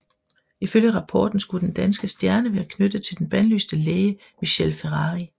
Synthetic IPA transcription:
iføljəʁɑ̈pʰɒ̰ːd̥n̩sɡ̥ud̥end̥ænsɡ̥əsd̥jæɐnəʋæɐkʰnød̥ət͡sʰe̝ld̥enb̥ænlysd̥əleːə | miɕelfeʁɑ̈ːʁi

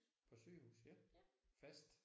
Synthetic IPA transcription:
pʰɒ̽sø̰ːhṵːsjfæsd̥

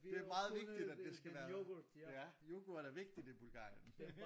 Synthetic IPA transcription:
d̥e̝æɐmɑ̈ːð̩ˠʋe̝ɡ̚d̥id̥æd̥ːesɡ̥æʋæːɐjæjoɡ̥oæɾæʋe̝ɡ̥̚d̥id̥ib̥ulɡ̥ɑ̰̈ːjən

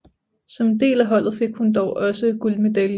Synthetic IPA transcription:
sɒ̽md̥e̝̰ːlæɦɒ̽l̰ð̞̩ˠfe̝ɡ̥hund̥ɒʊʔɒ̽səɡ̥ulme̝d̥ælj

